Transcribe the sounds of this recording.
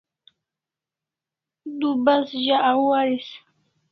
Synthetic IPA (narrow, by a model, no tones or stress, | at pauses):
d̪ubasʒaʔawaɾis